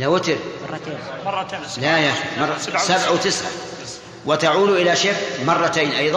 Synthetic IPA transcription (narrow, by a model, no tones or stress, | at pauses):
lawɪt̪ɾ | lajaximɑrˤːsabʕawt̪ɪsʕa̰ | wɪt̪aʕuːd̪ʔɪlaʃeffmɑrˤːɑt̪aːnʔɑjðˤɑ